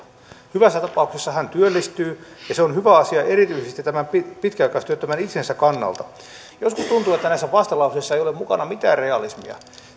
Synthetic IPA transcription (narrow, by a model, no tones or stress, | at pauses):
hyʋæsːæt̪ɑpɑuksesːɑhænt̪yølːist̪yːjɑseonhyʋæɑsiɑʔeɾit̪yisest̪itt̪æmæmpipit̪kiɑˑjkɑst̪yøt̪ːømænit̪sensækkɑnːɑ̰lt̪ɑ | joskust̪unt̪uːet̪ːænæisːæʋɑst̪ɑlɑusesːɑejolemukɑnɑmit̪æ̰ːrreɑlismḭɑ̰